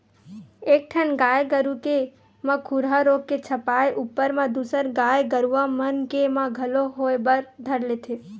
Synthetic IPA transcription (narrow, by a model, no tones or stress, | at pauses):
eːk̚ʈʰənɡaːjɡəɾuke | mãkʰuɾɦaɾoːɡ̚ket͡ʃʰəpaːeʔupːəɾmãd̪usəɾɡaːjɡəɾuʋãmənkemãɡʱəloɦoebəɾd̪ʱəɾlet̪ʰe